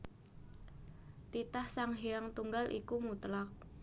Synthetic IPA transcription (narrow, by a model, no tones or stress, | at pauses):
t̪it̪ahsaŋɦiaŋt̪uŋɡalʔḭkumut̪lak̚